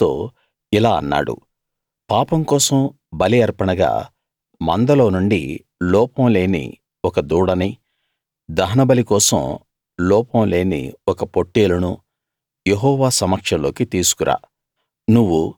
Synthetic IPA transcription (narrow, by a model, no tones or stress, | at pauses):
t̪oː | ilaːɐ̰nːa̰ːɽṵ | paːpɐmkɔːsɐm | bɐliɐɾpɐɳɐɡa̰ː | mɐnd̪ɐlo̞ːnuɳɖḭ | lɔːpɐmle̞ːnḭ | ɔkɐd̪uːɽɐni | d̪ɐɦɐnɐbɐlikɔːsɐ̰m | lɔːpɐmle̞ːnḭɔkɐpo̞ʈːeːlɐnu | jeɦɔːʋaːsɐmɐkʂɐlo̞ːkit̪iːsu̥kuɾʔa̰ː | nuʋːu